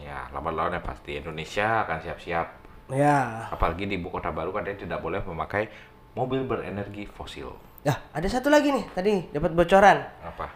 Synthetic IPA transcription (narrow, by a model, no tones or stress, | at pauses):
ja̰la̰mat̪̚laɔnɲapa̰st̪iindonesiaːkansiap̚siap̚ | jaapalaɡidibukot̪abaɾukadaɲat̪idaʔ̚bolɛhməmakaj | mobɪlbəɾḛnɛrɡifosɪ̰l | jaadasat̪ulaɡinɪht̪adidapat̪̚bot͡ʃoɾanapa